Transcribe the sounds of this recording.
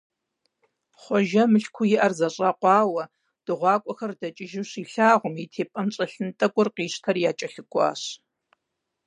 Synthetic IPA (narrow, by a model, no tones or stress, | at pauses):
χʷɔʒɐmɨɬkʷʰʊjɪʔɐrzɐɕʼɐqʷɑːwɐ | d̥ɨʁʷɑːkʷʼɔxɐrdɐt͡ʃʼɪʒɪɕiːɬaːʁʷʊmitʰeːpʼɐnɕʼɐɬɨntʼɐkʷʼʊrqiːɕtʰɐrjaːt͡ʃʼɐɬɨɡʷʼɑ̰ːɕ